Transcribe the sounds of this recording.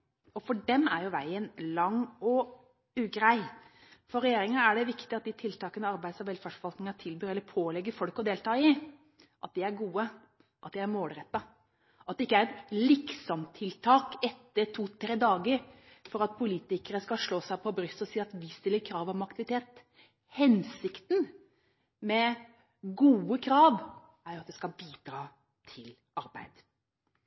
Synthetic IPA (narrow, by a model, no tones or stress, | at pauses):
ɔfɔɖɛmæɾjʊʋæɪənlɑŋːɔ | ʉːɡɾæɪ | fɔɾɛjeːɾɪŋəæɖɛʋɪkt̪ɪɑt̪̚d̪ɪt̪ʰɪlt̪ʰɑːkənəɑɾbæɪd̪sɔʋɛlfæʂfɔʋɑlt̪nɪŋɑt̪ʰɪlbyːɾɛlːəɾpʰoːlɛɡːəɾfɔlkɔd̪eːlt̪ʰɑːɪ | ʔɑt̪̚d̪ɪæɾɡuːə | ʔɑt̪̚d̪ɪæɾmoːlɾɛt̪ːɑ | ʔɑt̪d̪ɛɪkːəæɾɛt̪lɪksɔmt̪ʰɪlt̪ʰɑːkɛt̪ːəɾt̪ʰuːt̪ʰɾeːd̪ɑːɡəɾ | fɔɾɑt̪̚pʰʊliːt̪ɪkəɾəskɑlʂɭoːsæɪpʰɔbɾʏst̪ɔsiːɾɑt̪ʋɪst̪ɪləkʰɾɑːʋɔmɑkt̪ɪʋɪt̪ʰeːt̪ | hɛnsɪkt̪n̩ | mɛ | ɡuːəkʰɾɑːʋ | æɾjʊɑt̪d̪ɛskɑlbiːd̪ɾɑː | t̪ʰɪl | ɑɾbæ̰ɪd̪̥